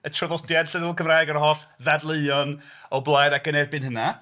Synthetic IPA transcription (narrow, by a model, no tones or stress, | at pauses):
ətʰrəvɔdjad̥ɬəðuːlkʰəmraːjɡəɾɦɔɬðadlˠeɨɔnɔblˠaːjdaɡənɛrbɨnhəna